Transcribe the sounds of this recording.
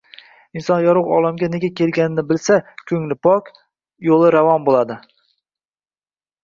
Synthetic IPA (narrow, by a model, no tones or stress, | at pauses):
ɪnsɒnjɒɾʊʁɒ̰lˠamɡʲaneɡʲakʲʰe̞lɡʲanɪnɪbɪlsakʲʰɵŋlɪpʰɒkʲ | jolˠɪɾavɒmbolˠad̪ɪ